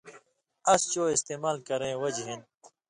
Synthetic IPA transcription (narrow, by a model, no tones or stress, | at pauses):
ɐst͡ɕoːɪst̪eːmaːlkɐɾẽːwɐd͡ʑɦĩn